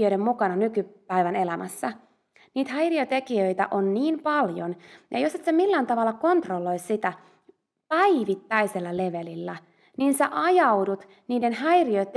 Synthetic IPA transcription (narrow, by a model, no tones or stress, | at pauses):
øjɾemmukɑnɑnykypæiʋæne̞læmʔæsːæ | niːt̪hæjriot̪ekiøjt̪æ̰ʔonːiːmpɑljonjɑ̰joset̪semilːæːnt̪ɑʋɑlːɑko̞nt̪rolːo̞issit̪æ | pæiʋit̪ːæjse̞lːæleʋelilːæ | niːnseʔɑjɑwdut̪ | niːdenhæjriøt̪